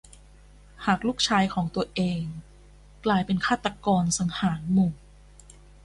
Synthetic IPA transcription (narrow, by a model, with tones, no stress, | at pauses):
haː˨˩k̚luː˥˩k̚t͡ɕʰaː˧jkʰɔː˩˦ŋt̪u˧ɐʔeː˧ŋ | klaː˧jpe˧nkʰaː˥˩t̪ːa˧kɔː˧nsa˩˦ŋhaː˩˦nmu˨˩ŋ